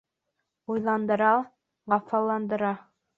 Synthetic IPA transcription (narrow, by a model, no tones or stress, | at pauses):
ujlˠɑnd̪ɤ̆ɾɑ | ʁɑfɑlˠɑnd̪ɤ̆ɾɑ